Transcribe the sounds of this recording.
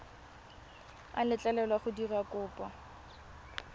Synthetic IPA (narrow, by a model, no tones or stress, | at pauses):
a̰lɪt͡ɬʼalɛlwaχʊdirakʼʊːpʼa